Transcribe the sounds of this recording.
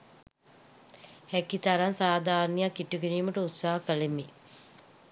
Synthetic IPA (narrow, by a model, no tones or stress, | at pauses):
hɛkit̪aɾansaːd̪aːɾnijakːiʈuɡeniːməʈəut̪saːɦakəlemi